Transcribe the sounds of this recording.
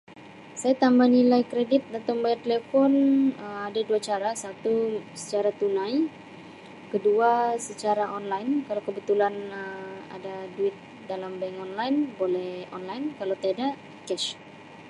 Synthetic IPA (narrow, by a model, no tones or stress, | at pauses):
sajat̪ambahnilajkɾedɪt̪̚dat̪ambajart̪elefɔnəmadaduat͡ʃaɾasat̪usə̥t͡ʃaɾat̪unaj | kəduasət͡ʃaɾaʔɔnlajnkalawkəbət̪ulanəa̰daduɪt̪̚ | dalambaŋɔnlajnbolɛhɔ̰nlajnkalawt̪adaʔ | kɛʃ